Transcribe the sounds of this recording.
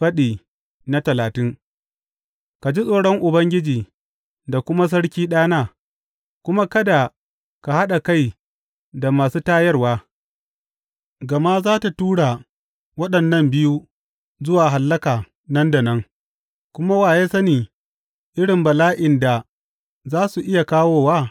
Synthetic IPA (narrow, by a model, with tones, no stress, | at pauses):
ɸɐ˦ɗiː˨ | na˦tɐ˨laː˨tɪ˦ŋ | ka˨d͡ʒi˦sʼoː˨ɽɔ˦ŋʔʊ˨bɐ˦ŋɡʲɪ˦d͡ʒiː˨ | da˨kʷʊ˦ma˦s̬ɐ˦ɽkʲiː˦ɗaː˦naː˦ | kʷʊ˦ma˦kɐ˦da˨ | ka˨ha˦ɗa˨ka˦j | da˨maː˨suː˦taː˦jɐ˦rwaː˦ | ɡɐ˨ma˦zaː˦ta˨tuː˦ɽa˨ | wɐ˦ɗɐ˨nːɐ˦˨mbɪ˦ju˦ | zʊ˦waː˨ɦa˨lːɐ˦kaː˨ | nɐ˦nda˨nɐ˦ŋ | kʷʊ˦ma˦waː˨jeː˦sɐ˦niː˨ | ʔɪ˦ɽɪ˨mbɐ˨laː˦ʔɪ˨nda˨ | zaː˦su˨ʔɪ˦ja˨kaː˦woː˦waː˦